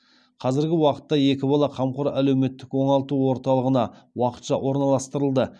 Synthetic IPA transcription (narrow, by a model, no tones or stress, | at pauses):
qʰɑzɪɾɡʲɪwɑqə̥t̪ːɑje̞kʲɪbɑlˠɑqʰɑmqoɾælewme̞t̪ːɪkwo̞ɴɑlˠt̪uwo̞ɾt̪ɑlˠəʁənɑwɑqə̥t̪ʃɑʔwʔo̞ɾnɑlˠɑst̪əɾəlˠd̪ə